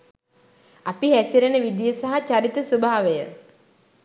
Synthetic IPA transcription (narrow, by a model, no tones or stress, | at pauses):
apiɦæsiɾenəʋid̪ijəsaɦat͡ʃaɾit̪əsubʱaːʋejə